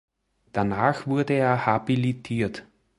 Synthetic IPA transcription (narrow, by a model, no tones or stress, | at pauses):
d̥anaːxv̥ʊɐdəeːɐhabilitʰiːɐt